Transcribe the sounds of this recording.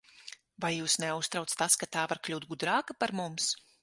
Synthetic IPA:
vajjuːsnɛust̪ɾawt̪st̪askat̪aːvaɾklʲuːt̪̚ɡud̪ɾaːkapaɾmums

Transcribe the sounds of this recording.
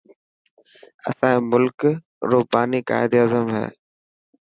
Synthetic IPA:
ɐ̰sãːĩmʊlk | ɾoːbaːnika̰ːɪd̪aːzəmɦɛ̰ː

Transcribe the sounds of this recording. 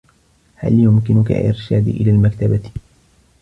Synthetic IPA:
ha̰ljʊmkɪnʊka̰ʔɪ̰ɾʃaːd̪ʔɪ̰laːlmakt̪aba

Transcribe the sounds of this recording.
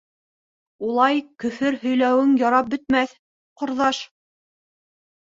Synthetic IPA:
ulˠɑjkɵ̆fɘɾhɵ̆jlæwɘŋjɑɾɑp̚bɵ̆t̪mæθ | qŏɾðɑʃ

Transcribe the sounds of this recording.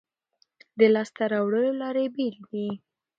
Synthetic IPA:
d̪əlɑst̪aɾɑwɽəlolɑɾebild̪i

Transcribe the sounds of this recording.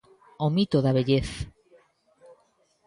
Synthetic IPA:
omit̪oðaβeʎeθ

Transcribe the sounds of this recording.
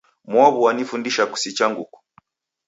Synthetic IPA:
mwɔβuwanifundiʃaku̥sit͡ʃaŋɡuku̥

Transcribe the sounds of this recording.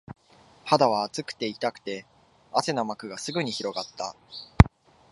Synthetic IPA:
had̪aβaːt͡sɨkɯ̥t̪e̞it̪akɯ̟̥t̪e̞ | ase̞no̞makɯ̟ɡasɨɡɯ̟ɲ̟içiɾo̞ɡat̪ːa̰

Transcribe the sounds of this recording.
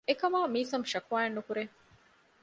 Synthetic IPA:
ekɐmaːmiːsɐmʃɐkuaːenːukuɾe

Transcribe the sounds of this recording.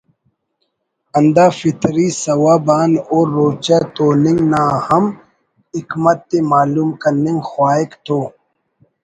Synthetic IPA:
ɐnd̪aːfit̪ɾiːsɐwaːbaːnoːɾːoːt͡ɕat̪oːniŋɡnaːhɐm | ikmɐt̪ːemaːluːmkɐniŋɡxwaːikt̪ʰoː

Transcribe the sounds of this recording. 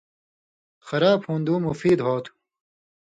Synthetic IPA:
xɐɾaːbhũːnd̪uːmufiːd̪ɦoːt̪ʰu̥

